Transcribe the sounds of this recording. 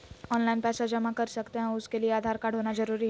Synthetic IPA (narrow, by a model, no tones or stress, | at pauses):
ɔnlainpɛsad͡ʑəmakəɾsəkt̪eɦãuskelieaːd̪ʱaɾkaɽ̤ʱɦonad͡zəɾuːɾiːɦ